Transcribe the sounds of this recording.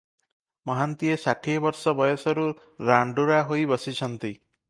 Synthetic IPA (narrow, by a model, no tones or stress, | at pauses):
mɔɦant̪iesaʈʰibɔɾsɔbɔjɔsɔɾu | ɾaɳɖuɾaɦojbɔsit͡ʃʰɔnt̪i